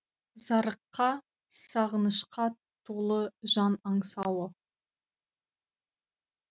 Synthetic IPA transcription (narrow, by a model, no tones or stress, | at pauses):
zɑɾəqːɑ | sɑʁənəʃqʰɑ | t̪ʰolˠəʒɑnɑɴsɑwə